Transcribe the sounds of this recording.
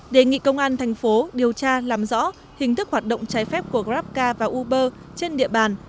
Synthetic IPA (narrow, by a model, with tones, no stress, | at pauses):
ɗe˨˩ŋḭ˧˨kə˧wŋ͡mʔaː˧nt̪ʰɛ˨˩jŋ̟fo˨˦ɗi˨˩əwt͡ɕaː˧laː˨˩mzɔ̰˧˥ | hï˨˩ŋ̟t̪ɨ˦˥k̚hwaː˨˩t̚ɗo̰˧˨wŋ͡mt͡ɕaː˨˦jfɛ˦˥p̚ku˧˩əɣzaː˦˥p̚kaː˧vaː˨˩ʔu˧ɓəː˧ | t͡ɕe˧nɗḭ˧˨əɓaː˨˩n